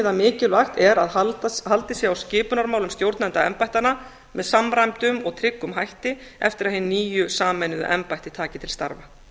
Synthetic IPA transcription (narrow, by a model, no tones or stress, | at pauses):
ðamɪːcɪlvaxt̪ɛɾaðhalt̪ɪsjɛawscɪːpʏnaɾmaːwlʏmst̪jowɾt̪nɛnt̪aɛ̰mpajt̪ana | mɛðsamɾajmt̪ʏmɔɣt̪ʰɾɪkːʏmɦajht̪ɪɛft̪ɪɾaðhɪnniːjʏsaːmɛnʏðʏ̰ʔɛmpajht̪ɪt̪ʰaːcɪt̪ʰɪlst̪a̰ɾva